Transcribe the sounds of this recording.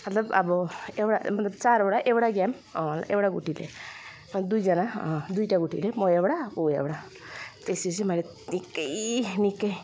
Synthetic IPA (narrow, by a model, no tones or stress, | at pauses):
mɐt̪lɐba̰bɔewɽa̰mɐt̪lɐbt͡ʃaɾewɽaʔewɽaɡɛm | ɔ̃lewɽaɡuʈilḛ | mɐt̪d̪ujd͡ʒanãd̪ujʈaɡuʈʰḭlemɔebɽaoḛwɽa | t̪esis̬imaɾe | nikːəjnikːəj